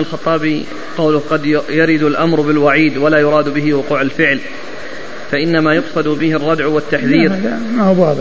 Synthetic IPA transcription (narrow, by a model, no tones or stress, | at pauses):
alxɑt̪ˤːɑːbi | qɑwlʊhqɑd̪jaɾɪd̪alʔamɾˤbɪlwaʕiːd̪walaːjʊɾˤɑːd̪bɪɦɪwʊquːʕalfɪʕl | faʔɪnːamajʊqsˤɑd̪bɪhɪrˤːɑd̪ʕwɪt̪ːaħðiːɾmahʊbɑːð